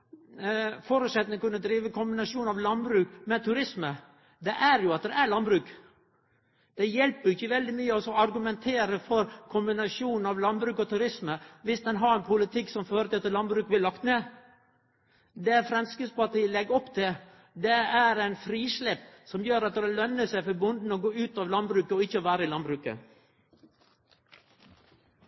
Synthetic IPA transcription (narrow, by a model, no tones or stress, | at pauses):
fɔɾʉsɛt̪nəkʉnːəd̪ɾiːʋəkʰʊmbɪnɑʂuːnɑʋlɑnbɾʉːkmɛt̪ʰʉɾɪsmə | d̪ɛʔæɾjʊɑt̪̚d̪ɛæɭɑnbɾʉːk | d̪̥ɛjɛlpəɾɪçːəʋɛld̪ɪmyːəɔsɔɑɾɡʉmɛnt̪ʰeːɾəfɔɾkʰʊmbɪnɑʂuːn̩ɑʋlɑnbɾʉːkɔt̪ʰʉɾɪsməʋɪsd̪ɛnɦɑɾɛɪnpʰʊlɪt̪ʰɪkːsɔmføːɾət̪ɪlɑt̪lɑnbɾʉːkbɪlɑkt̪neː | d̪ɛæɾfɾɛmskəspɑɑt̪ɪlɛɡɔpːt̪ʰɪ | d̪ɛæɾæɪnfɾiːʂlɛpsɔmjøːɾɑt̪̚d̪ɾɛlœnːəsæɪfɔɾbʊnd̪n̩ɔɡoːʉːt̪ɑʋlɑnbɾʉːkəɔɪçːəɔʋæːɾəɪlɑnbɾʉːkə̰